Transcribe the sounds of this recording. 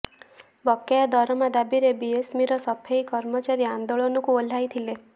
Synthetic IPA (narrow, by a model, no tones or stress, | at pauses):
bɔkːejad̪ɔɾɔmad̪abiɾebiesmiɾɔsɔpʰejkɔɾmɔt͡ʃaɾiand̪oɭɔnɔkuol̤ajt̪ʰile